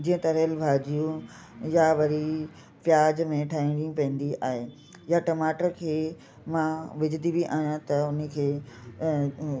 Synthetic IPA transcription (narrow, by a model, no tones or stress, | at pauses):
d͡ʑiːə̃t̪ɐɾəlbʱaːd͡ʑijũ | jaʋɐɾi | pjaːd͡ʑmẽʈʰaːɦĩɽiũpɐ̃ə̃n̆d̪iʔaːɦeː | jaʈɐmaːʈəɾkʰeː | mãʋɪd͡ʑɪd̪ibiʔaːijãt̪ɐʊnəkʰeː